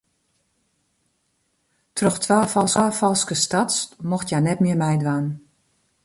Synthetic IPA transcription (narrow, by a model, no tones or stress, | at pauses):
trɔxtʰʋaːfɔlˠsaːfɔlˠskəstatsmoxtjanɛtmɪəmɛjdʋaːn